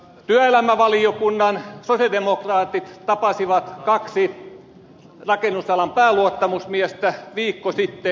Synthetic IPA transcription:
t̪yæelæmæʋɑliokunːɑnsosjɑldemokrɑːt̪it̪t̪ɑpɑsiʋɑt̪kɑksi | rɑkenːusɑlɑmpæːluot̪ːɑmusmiæst̪æʋiːkːosit̪ːe

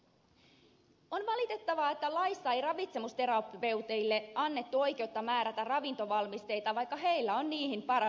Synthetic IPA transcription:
o̞nʋɑlit̪e̞t̪ːɑʋɑet̪ːælɑjsːɑejrɑʋit̪se̞must̪e̞ɾɑpʋe̞wt̪e̞jlːe̞ɑnːe̞t̪ːuo̞jk̟e̞ut̪ːɑmæːɾæt̪ærɑʋint̪o̞ʋɑlmist̪e̞jt̪ɑʋɑjkːɑɦe̞jlːæo̞nniːhimpɑɾɑ

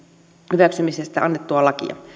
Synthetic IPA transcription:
hyʋæksymisest̪æɑnːet̪ːuɑlɑkḭɑ̰

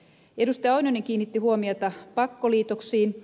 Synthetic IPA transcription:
e̞dust̪ɑjɑɑwnoniŋk̟iːnːit̪ːiɦuomiot̪ɑpɑkːo̞liːt̪o̞ksiːn

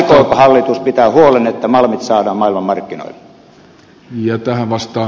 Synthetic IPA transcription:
koːkhɑlːit̪uspit̪æːhuolenet̪ːæmɑlmit̪sɑːdɑːmmɑˑilmɑmmɑrkːino̰ilːe̥ | jɑt̪æhæʋʋɑst̪ɑː

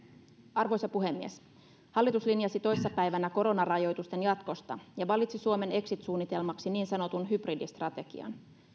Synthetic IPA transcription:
ɑrʋo̞jsɑpuɦe̞mːies | hɑlːit̪uslinjɑsit̪o̞jsesːɑpæjʋænæko̞ɾo̞nɑrɑjo̞jt̪ust̪e̞njɑt̪ko̞st̪ɑjɑʋɑlːˑit̪sisuome̞ne̞ksit̪suːnːit̪e̞lmɑksiniːnsɑno̞t̪unɦybridist̪rɑt̪e̞ɡ̥ḭɑ̰n

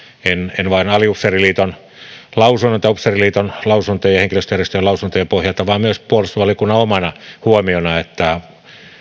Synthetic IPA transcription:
enenʋɑinɑliupseriliːt̪on | lɑusunːont̪ːɑupseriliːt̪onlɑusunt̪ojɑheŋkiløst̪øjærˑesøjɑlɑusunt̪ojɑpohjɑt̪ɑʋɑˑːmmyøspuolust̪oʋɑlikunːɑomɑnɑhuomionɑet̪ːæ

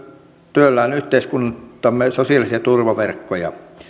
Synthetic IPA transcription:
t̪yølːæˑːnyht̪eiskunt̪ːɑmːesosiɑlisiɑt̪urʋɑʋerkːojɑ̰

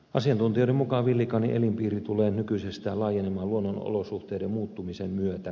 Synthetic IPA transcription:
ʔɑsiɑnt̪unt̪ioˑemmukɑʋilːikɑniʔelimpiːrit̪uleːnykyisest̪æːlɑːjenemɑːluonːono̰losuht̪eˑːdemmuːt̪ːumisemmyøt̪æ

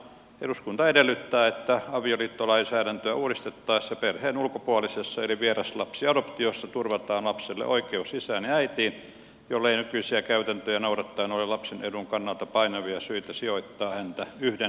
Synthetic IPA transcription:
ḛɾuskunt̪ɑedelːˑyt̪ːæːet̪ːæɑʋioliːt̪ːolɑinsæːɾænt̪øæuːɾist̪et̪ːɑisjɑperheːnulkopuɑlisesːɑeliʋierɑslɑpsiɑdopt̪iosːɑt̪urʋɑt̪ɑːnlɑpselːḛʔoikeusisæːnjeæit̪iːn | jolːeinykyisiækæyt̪ænt̪øjænouɾɑt̪ːɑinolilɑpseneduŋkɑnːɑlt̪ɑpɑinɑʋiɑsyit̪æsioit̪ːɑːhænt̪æyhde

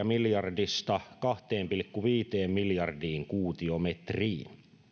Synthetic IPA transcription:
ɑmiljɑrdist̪ɑkɑht̪eːmpilkːuʋiːt̪eːmmiljɑrdiːŋkuːt̪iomet̪riːn

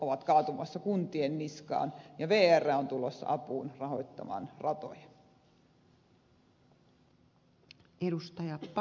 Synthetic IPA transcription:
ʔoʋɑt̪kɑːt̪umɑ̰sːɑkunt̪ienːiskɑ̰ːnjɑʋeːærːæont̪ulosːɑ̰ʔɑpuːnrɑho̞jt̪ːɑ̰mɑ̰ːnrɑt̪o̰jɑ | eɾust̪ɑjɑpp

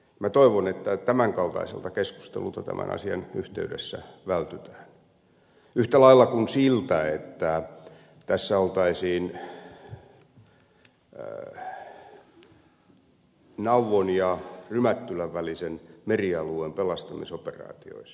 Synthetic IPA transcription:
mæt̪oiʋonet̪ːæt̪æmæŋkɑlt̪ɑ̰isḛlt̪ɑkesku̥st̪ḛlult̪ɑt̪æ̰mʔæ̰nʔɑ̰siɑnyht̪ḛydḛsːæ̰ʋælt̪yt̪æ̥ːn | yht̪ælɑilːɑkunsilt̪æet̪ːæ | t̪æsːæolt̪ɑisiːn | nɑuʋonjɑrymæt̪ːylæʋʋælisenmeriɑluempelɑst̪ɑmisoperɑ̰ːt̪io̰is

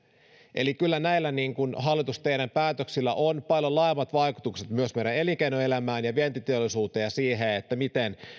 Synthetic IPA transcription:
ʔe̞̰likylːænæilːæniːŋkunɦɑlːit̪ust̪eiɾæmpæːt̪øksilːæ̰ʔonpɑljolɑemːɑt̪ʋɑikut̪ukset̪myøsmeɾene̞likeinoe̞læmæːnjɑʋient̪it̪eolːˑisuːt̪ejɑsiːɦeet̪ːæmit̪en

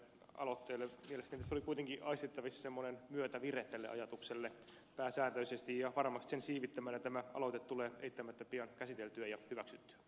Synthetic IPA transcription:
ɑ̰lot̪ːeːlːemielest̪ænit̪æsolikuit̪eŋkiɑist̪et̪ːɑʋisːsemːonenmyøt̪æʋireht̪ːelːḛɑ̰jɑt̪ukselːe | pæːsæːt̪øysest̪ijjɑʋɑrmɑst̪i̥sensiːʋit̪ːæmæːnjɑt̪æmæʔɑ̰lot̪et̪t̪uleːḛit̪ːæmæt̪ːæpiɑnkæsit̪elt̪yæjɑhyʋæksyt̪ːy̥æ̥

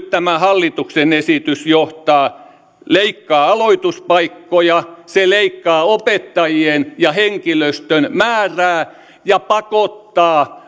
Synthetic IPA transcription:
tt̪æmæhɑlːit̪uksenesit̪ysjoht̪ɑː | leikːɑːɑloit̪uspɑikːojɑseleikːɑːopet̪ːɑjienjɑheŋkiløst̪ønmæːræː | jɑpɑkot̪ːɑː

